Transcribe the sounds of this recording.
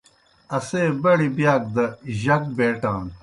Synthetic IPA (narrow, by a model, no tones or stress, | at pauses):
ɐseːbɐɽibjaːk̚d̪ɐʑɐk̚beːʈãːn